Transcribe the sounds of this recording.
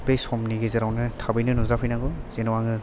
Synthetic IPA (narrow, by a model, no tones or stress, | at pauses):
b̥ejsɔmniɡezɯɾawnɯtʰabɯjnɯnuzapʰɯjnaɡɔz̥enɔwaŋɯ